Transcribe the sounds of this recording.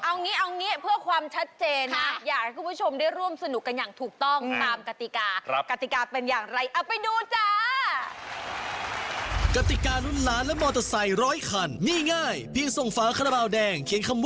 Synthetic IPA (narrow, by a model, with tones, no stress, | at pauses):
ʔa˧wniː˦˥ʔa˧wniː˦˥pʰɯ˥˩ɐkʰwaː˧mt͡ɕʰa˦˥t̪̚t͡ɕeː˧n˦jaː˨˩k̚ha˥jkʰuː˧˩pʰu˦˥˩t͡ɕʰo˧mdaː˥˩jɾu˥˩əmsa˧nu˨˩kːa˧njaː˨˩ŋt̪ʰuː˨˩k̚t̪ɔ˥˩ŋt̪aː˧mka˧˩t̪i˨˩kaː˧˦ka˧˩t̪i˨˩kaː˧pe˧njaː˨˩ŋɾa˧jʔa˨˩pa˧jduː˧t͡ɕa˧˩ | ka˧˩t̪i˨˩kaː˧nu˦˥nlaː˦˥nlɛ˦˥mɔː˧t̪a˧˩sa˧˩jɾɔː˦˥jkʰa˧nmiː˧˥˩ŋaː˥˩jpʰi˧əŋso˨˩ŋfaː˨˦kʰa˧na˧baː˧wdɛː˧ŋkʰi˨˦nkʰa˧mw